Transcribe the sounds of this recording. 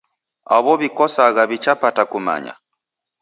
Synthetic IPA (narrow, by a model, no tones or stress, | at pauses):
aβɔβikɔsaɣaβit͡ʃapatakuma̰ɲa̰